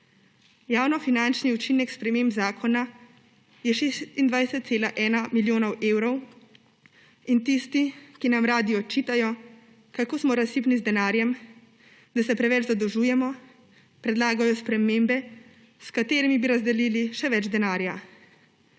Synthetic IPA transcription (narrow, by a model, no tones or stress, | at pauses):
jaːwnɔfinant͡ʃniut͡ʃinɛkspɾɛmembzaːkʰɔna | jɛʃest̪ind̪ʋajsɛt̪̚seːlaʔɛːnamiljoːnɔwʔeːwɾɔw | int̪ist̪ikinamɾaːd̪iɔt͡ʃiːt̪ajɔ | kakoːsmɔɾasipnizd̪ɛnaːɾjɛm | d̪asɛpɾɛʋɛt͡ʃzad̪ɔʒuːjɛmɔ | pɾɛd̪laːɡajɔspɾɛmembɛ | skat̪eːɾimibiɾazd̪ɛliːliʃɛʋɛd͡ʒd̪ɛnaːɾja